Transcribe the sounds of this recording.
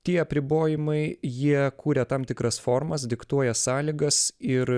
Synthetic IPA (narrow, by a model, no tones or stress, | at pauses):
t̪ʲiɛɐpʲɾʲɪboːjɪmɐɪjiɛkuːɾʲɛt̪ɑmt̪ʲɪkɾɐsfoːɾmɐs̬d̪ʲɪkt̪uɔjɛsɑːlʲiːɡɐsɪɾ